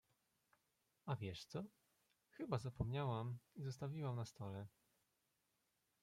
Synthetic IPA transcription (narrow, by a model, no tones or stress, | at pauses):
avʲjɛʂt̪sɔ | xɘbazapɔmɲawamizɔst̪avʲiwamnast̪ɔlɛ